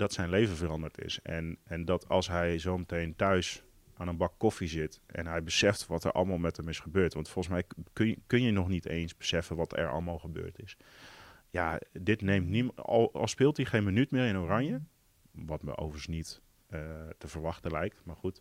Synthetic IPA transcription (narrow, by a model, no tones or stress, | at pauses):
d̥ɔtsɛjnlejvəvərɑndəɹtɪ̰sɛnɛndɔtɑlˠsɦɛjzowmətejntœɥs | ʔaːnənbɑkːɔfizɪtʔɛ̰nɦɛjbəsɛftʋɔtə̰ɹʔɑ̰lˠmaːlˠmɛtəmɪsχəbøːɹtʋɑntfɔlˠəs̬mɛjkkɵnjənɔχnitʰḛjnsbəsɛfənʋɑtɛ̰ɹɑ̰lˠəmaːlˠχəbø̰ːɹtɪs | jadɪtnejmtnḭlˠɔ̰lˠspɪːlˠtiχejnmənytmɪːɾɪnorɑɲjə | ʋɑtmə̰ʔo̰wvəɹəsnit | ətəvəɹʋɑχtəlɛjk̚tmaːɹχut